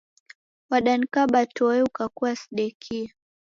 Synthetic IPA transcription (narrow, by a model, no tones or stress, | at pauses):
waɗanikaɓatɔɛukakuasi̥ɗɛkʰia